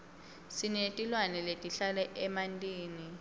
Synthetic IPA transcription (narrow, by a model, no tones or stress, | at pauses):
sinetʼilwanɛletʼiɬalɛʔɛmantʼiːni